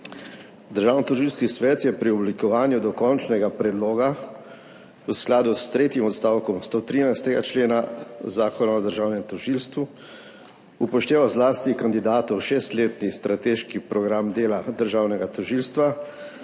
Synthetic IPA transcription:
d̪əɾʒaːwnit̪ɔʒilskisʋɛːt̪jɛpɾiɔblikɔʋaːnjud̪ɔkɔnt͡ʃnɛɡapɾɛd̪loːɡa | wsklaːd̪ust̪ɾeːt̪jimɔt̪st̪aːwkɔmst̪ot̪ɾiːnajst̪ɛɡa̰t͡ʃleːnazaːkɔnaɔd̪əɾʒaːwnɛmt̪ɔʒilst̪ʋu | upɔʃt̪eːʋawzlaːst̪ikand̪id̪aːt̪ɔwʃeːst̪leːt̪nist̪ɾʔat̪eːʃkipɾɔɡɾamd̪eːlad̪əɾʒaːwnɛɡat̪ɔʒiːlst̪ʋa

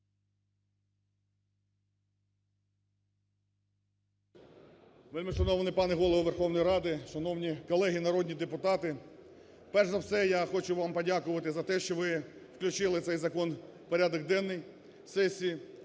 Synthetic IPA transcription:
ʋɪlʲmɪʃɐnɔʋnɪpɑneɦɔlˠɔɦɔʋerxɔwnɔjɾɑd̪ɪʃɐnɔwnʲikɔlˠɛɦinɐɾɔd̪ʲnʲid̪epʊt̪ɑt̪ɪ | pɛrʒzɐwsɛjɑxɔt͡ʃʊʋɑmpɔdʲɑkʊʋɐt̪ɪzɐt̪ɛʃt͡ʃɔʋɪwklʲʉt͡ʃɪlˠɪt̪sɛjzɐkɔn | pɔɾʲad̪ɔɡd̪ɛnːɔj | sɛsʲiji

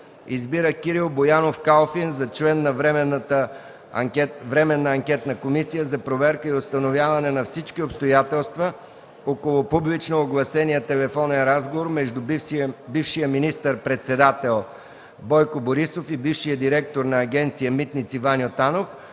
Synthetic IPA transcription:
izbiɾəkiɾilˠbojanofkalˠfinzɐt͡ʃlɛnːɐvɛmt̪ə | vɾɛmɛnːəɐŋkʲɛt̪nɐkomisijəzɐpɾovɛɾkəiost̪ɐnovʲjavɐnɛnɐfsit͡ʃkiopst̪ojat̪ɛlˠst̪və | okolˠʊpublit͡ʃnoːɡlˠɐsɛniət̪ɛlɛfɔnɛnɾazɡovoɾmɛʒd̪ubifʃijəminist̪əɾpɾɛt̪sɛd̪at̪ɛlˠ | bɔjkoboɾisofibifʃijəd̪iɾɛk̚t̪oɾnɐːɡʲɛnt̪sijəmit̪nit̪sivanʲiot̪anof

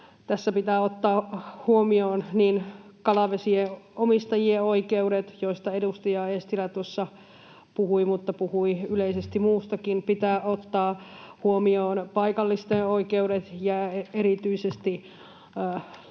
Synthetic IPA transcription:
t̪æsːæpit̪æːot̪ːɑːhuomioːnniːnkɑlɑʋesieomist̪ɑjieoikeuɾet̪joist̪ɑedust̪ijɑest̪ilæt̪uosːɑ | puhuimut̪ːɑpuhuiyleisest̪imuːst̪ɑkinpit̪æːʔot̪ːɑːhuomioːnpɑikɑlːist̪eːoikeuɾet̪jɑeeɾit̪yisest̪i

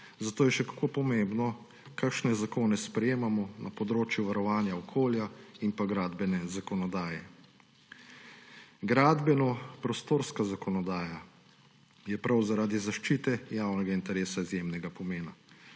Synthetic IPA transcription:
zat̪oːjɛʃɛkḁkoːpɔmembnɔ | kakʃnɛzakoːnɛspɾɛjeːmamɔnapɔd̪ɾoːt͡ʃjuʋaɾɔʋaːnjaɔkʰoːljainpaɡɾaːd̪bɛnɛzakɔnɔd̪aːjɛ | ɡɾaːd̪bɛnɔpɾɔst̪oːɾskazakɔnɔd̪aːja | jɛpɾawzaɾaːd̪izaʃt͡ʃiːt̪ɛjawnɛɡaint̪ɛɾeːsaizjemnɛɡapɔmeːna

